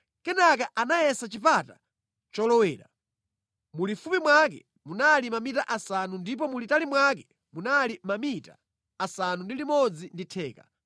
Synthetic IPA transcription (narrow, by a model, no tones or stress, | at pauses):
kɛnakaʔanajɛsat͡ʃipata | t͡ʃɔlɔwɛːɾa | mulifupimwakɛ̰ | munalimamitaʔasanundip̬ɔmulitalimwakɛ̥ | munalimamitaː | sanundilimɔd͡zinditʰɛːka